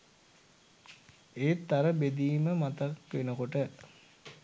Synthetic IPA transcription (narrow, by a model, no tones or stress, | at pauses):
eːt̪ːaɾəbed̪iːməmat̪akʋenəkoʈə